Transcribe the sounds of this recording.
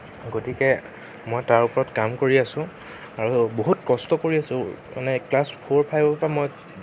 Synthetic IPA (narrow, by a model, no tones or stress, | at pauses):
ɡotikɛ | mɔjtaɹupɔɹɔtkamkoɹiasʊ̃ | aɹuboɦutkɔstɔkoɹiasʊ̃ma̰nɛklaspʰoɹpʰajbpamɔj